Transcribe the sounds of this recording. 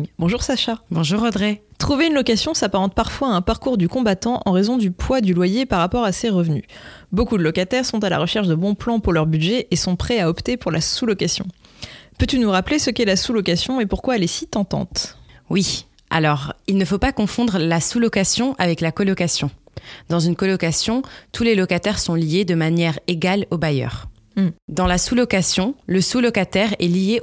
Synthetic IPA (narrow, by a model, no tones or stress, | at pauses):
bɔ̃ʒuʁsaʃabɔ̃ʒuʁɔd̪ʁet̪χuveynlɔkasjɔ̃sapaʁɑ̃t̪̚paʁfwaɛ̃paʁkuʁd̪ykɔ̃bat̪ɑ̃ʔɑ̰̃ʁezɔ̃d̪ypwad̪ylwajepaʁːapɔʁaseʁəvny̰bokud̪əlɔkat̪ɛʁsɔ̃t̪ala̰ʁəʃɛʁʃd̪əbɔ̃plɑ̃puʁlœʁbyd̪ʒɛʔesɔ̃pχɛaɔpt̪epuʁlasulɔkasjɔ̰̃pøt̪ynuʁaplesəkɛlasulɔkasjɔ̃epuʁkwaɛlɛsit̪ɑ̃t̪ɑ̰̃t̪wi | ʔa̰lɔʁilnəfopakɔ̃fɔ̃d̪ʁəlasulɔkasjɔ̃ʔavɛklakɔlɔkasjɔ̃d̪ɑ̃zynkɔlɔkasjɔ̃t̪ʰulelɔkat̪ɛʁsɔ̃lijed̪əmanjɛʁeɡalobajœ̰ːʁ | d̪ɑ̃lasulɔkasjɔ̃ləsulɔkat̪ɛʁɛlije